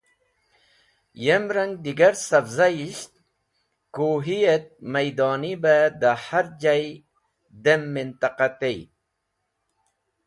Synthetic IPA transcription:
jemɾɐŋɡ̚d̪iɡɐɾsɐbzajist̪ | kuɦijet̪̚mɐjd̪ɑːnibad̪ahaɾd͡ʑaj | d̪emːint̪ɐqat̪ej

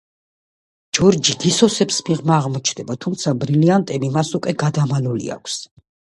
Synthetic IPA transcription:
d͡ʒɔɾd͡ʒiɡ̪isɔsɛpsmiʁmaːʁmɔt͡ʃʰnd̪ɛbat̪ʰumt̪sʰabɾiliant̪ʼɛbimasukʼwɛɡad̪amalulḭa̰kʰs

